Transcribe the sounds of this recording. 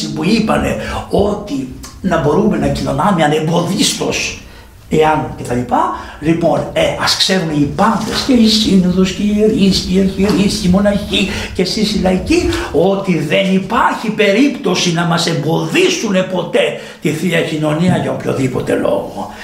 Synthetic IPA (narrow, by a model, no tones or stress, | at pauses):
ipuipɐ̰ne̞̰o̞t̪inɐbo̞ɾume̞nɐcino̞nɐmeɐne̞mbo̞ðist̪o̞̰s | e̞ɐncet̪ɐlipɐlipo̞neɐskse̞ɾumeipɐnθesce̞isinoðosceiɾisceieɾçiɾiscimo̞nɐçi | ce̞sisilɐicio̞t̪iðe̞nipɐɾçipe̞ɾipt̪o̞sinɐmɐse̞mbo̞ðisune̞po̞t̪e̞ | t̪iθiɐcino̞niɐʝɐopço̞̰ðipo̞t̪e̞lo̞̰ɣo̰